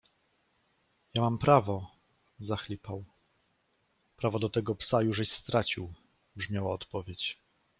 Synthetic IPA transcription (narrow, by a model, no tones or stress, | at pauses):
jamampɾavɔ | zaxlʲipaw | pɾavɔd̪ɔt̪ɛɡɔpsajuʐɛɕst̪ɾat͡ɕiw | bʐmʲjawaɔt̪pɔvʲjet͡ɕ